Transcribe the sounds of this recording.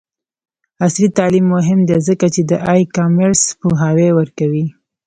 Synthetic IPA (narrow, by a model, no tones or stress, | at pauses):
aslit̪ɑlimːʊɦɪmd̪ezəkat͡ʃed̪əʔajkɑmeɾspuɦɑwewəɾkawi